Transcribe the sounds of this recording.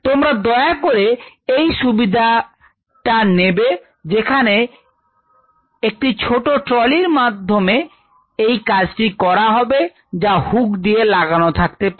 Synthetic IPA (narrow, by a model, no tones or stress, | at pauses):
t̪omɾad̪ɔeakoɾeejʃubid̪ʱa | ʈanebe | d͡ʑekʰane | ek̚ʈit͡ɕʰoʈoʈɾɔliɾmad̪ʱːome | ejkad͡ʑʈikɔɾaɦɔbe | d͡ʑahukd̪ijelaɡanot̪ʰak̚t̪epa